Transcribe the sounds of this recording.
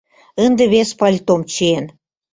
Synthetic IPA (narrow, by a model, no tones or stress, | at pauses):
ə̆nd̪eβespɑlʲt̪omt͡ɕeen